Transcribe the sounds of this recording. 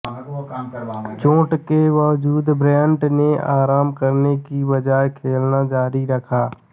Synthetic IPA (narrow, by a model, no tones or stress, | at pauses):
t͡ʃõːʈkeʋaːʋd͡ʒuːd̪bɾɛ̃ːɳʈneaːɾaːmkəɾnekibəd͡ʒaːkʰeːlnad͡ʒaːɾiɾəkʰaː